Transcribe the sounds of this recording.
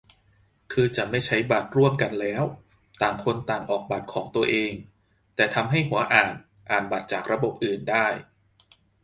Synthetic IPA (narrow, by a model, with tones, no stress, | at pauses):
kʰɯː˧t͡ɕa˨˩ma˥˩jt͡ɕʰa˦˥jba˨˩t̪̚ɾu˥˩əmka˧nlɛː˦˥w | t̪aː˨˩ŋkʰo˧nt̪aː˨˩ŋʔɔː˨˩k̚ba˨˩t̪̚kʰɔː˩˦ŋt̪u˧ɐʔeː˧ŋ | t̪ɛː˨˩t̪ʰa˧mɦa˥˩jɦu˨˩˦ɐʔaː˨˩n | ʔaː˨˩nba˨˩t̪̚t͡ɕaː˨˩k̚ɾa˧bo˨˩p̚ʔɯː˨˩ndaː˥˩j